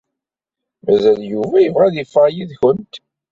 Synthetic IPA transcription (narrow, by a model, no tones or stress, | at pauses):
mæzæljuvæjəvʁæðifˤɑjiðçənt̪